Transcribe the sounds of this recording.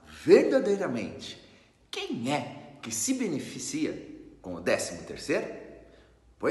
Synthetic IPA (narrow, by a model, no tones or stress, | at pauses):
veɾd̪ad̪ejɾɐmẽnt͡ʃɪ̥ | kẽj̃ɛkɪsɪbenefisiɐkõʊd̪ɛsimʊt̪ḛɾsejɾʊ | po